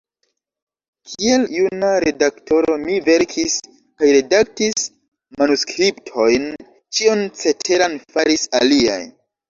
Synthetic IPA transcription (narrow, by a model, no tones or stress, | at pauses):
kʰie̞ljunaɾe̞dakto̞ɾo̞mive̞ɾkʰis | kajɾe̞dak̚tis | manuskɾiptʰo̞jn | t͡ʃiont͡se̞tʰe̞ɾanfaɾisa̰lia̰j